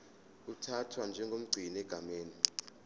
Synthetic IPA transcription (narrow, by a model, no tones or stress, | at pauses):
utʰatʰwand͡ʒʱɛŋɡʱom̩ɡ͡ǀʱinɛɡ̥ʱameːni